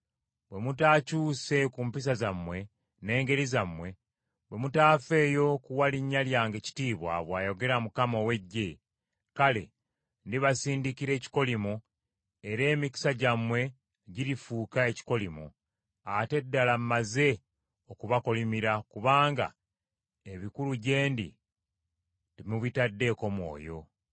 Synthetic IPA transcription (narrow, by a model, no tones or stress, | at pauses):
βwe̞mutaːcuːse̞kuːmpis̬azamwe̞ | ne̞ːŋɡe̞ɾizamwe̞ | βwe̞mutaːfe̞ːjo̞kuwaliɲːaljaːŋɡeci̥tiːβwa̰βwaːjo̞ɡe̞ɾamukamowe̞ɟːe̞ | kale̞̰ | ndiβasiːndikiɾe̞ːci̥ko̞limo | e̞ɾe̞ːmiki̥saɟamwe̞ | ɟiɾifuːkae̞ci̥ko̞limo̰ | ate̞dːalammaze̞ | okuβako̞limiɾakuβaːŋɡa̰ | eβikuluɟe̞ːndḭ | ndimuβitadːe̞ːko̞mwo̞̰ːjo̞